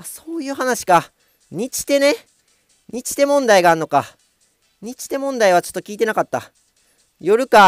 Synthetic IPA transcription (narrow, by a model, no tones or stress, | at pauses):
aso̞ːjɯ̟ːɦanaɕi̥ka | ɲ̟it͡ɕi̥t̪e̞ne̞ | ɲ̟it͡ɕi̥t̪e̞mõ̞nd̪aiɡaːɾɯno̞ka | ɲ̟it͡ɕi̥t̪e̞mõ̞nd̪aiβ̞at͡ɕo̥t̪ːo̞kʲiːt̪̬e̞nakat̪ːa̰ | jo̞ɾɯ̟ka